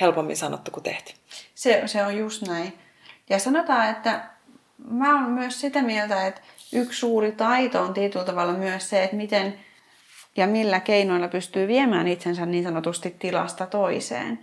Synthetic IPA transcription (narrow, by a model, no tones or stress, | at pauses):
helpomːḭnsɑno̰t̪ːukut̪ḛht̪seseojjust̪næin | jɑsɑnot̪ɑːet̪ːæ | mæːommyøssit̪æmielt̪æet̪ | ykssuːrit̪ɑit̪oont̪iet̪ylt̪ɑʋɑlːɑmyøsseet̪mit̪en | jɑmilːækeinoilːɑpyst̪yːʋiemæːnit̪sensænniːnsɑnot̪ust̪it̪tːilɑ̰st̪ɑt̪oisḛːn